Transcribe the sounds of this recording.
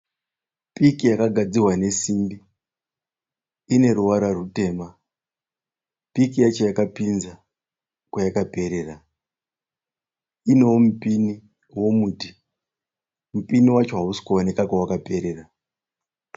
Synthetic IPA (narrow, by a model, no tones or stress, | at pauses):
pikijakaɡʱad͡zirwane̞simbi | ine̞ɾuwaɾarute̞ːma | pikijat͡ʃojakapinza | kwajakape̞ɾe̞ra | ine̞womupini | wo̞muti | mupiniwat͡ʃo̞ɦausi̥kuonekakawakape̞ɾe̞ra